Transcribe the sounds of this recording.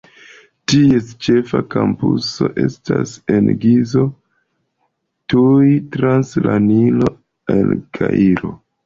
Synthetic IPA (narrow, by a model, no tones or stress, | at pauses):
tiest͡ʃe̞fakampuso̞ʔe̞stase̞nɡizo̞ | tujtɾanslanilo̞ | elkʰaʔiɾo̞